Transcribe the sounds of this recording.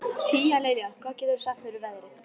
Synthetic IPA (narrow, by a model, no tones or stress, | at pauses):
t̪ʰiːjaleːjlɪɣḁkʰvaːðcɛːt̪ʏɾsat̪fɪɾɪɾvɛðɾɪθ